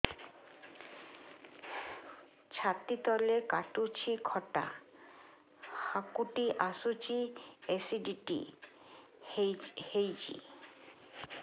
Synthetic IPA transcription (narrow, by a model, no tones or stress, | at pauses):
t͡ɕʰat̪it̪ɔlekaʈut͡ɕʰikʰɔʈa̰ | hakuʈiʔasut͡ɕiesiɖiʈḭ | hejd͡ʑḭ